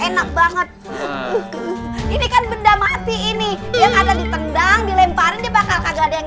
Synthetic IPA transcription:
enak̚baŋət̪̚ | inikanbəndamat̪iːnijaŋadadit̪əndaŋdilempaɾɪndiapakakaɡaːdaa

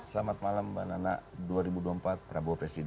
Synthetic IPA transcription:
slamat̪̚malamba̰nanaʔduaɾibuduampat̪̚pɾabuapɾɛsid

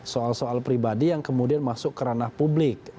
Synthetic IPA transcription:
soalsoalpɾibadijaŋkəmudianmasʊkːəɾanahpublɪk̚

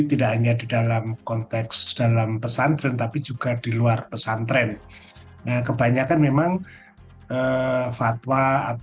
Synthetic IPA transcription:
t̪idaʔhaɲadidalamkɔnt̪ɛksd̥alampəsant̪ɾɛnt̪apid͡ʒuɡ̥adiluarpəsant̪ɾɛn | nahkəbaɲakanmemaŋ | ʔəfat̪waːt

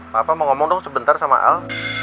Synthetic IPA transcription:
papaməŋɔmɔŋdɔŋsəbənt̪arsama̰ʔa̰l

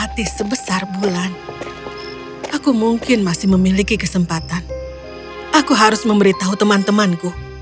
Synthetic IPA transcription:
at̪isəbəsarbulan | ʔakumuŋkɪnmasɪhməmilikikəsəmpat̪an | ʔakuɦaɾʊsməmbəɾit̪aɦut̪əmant̪əmanku

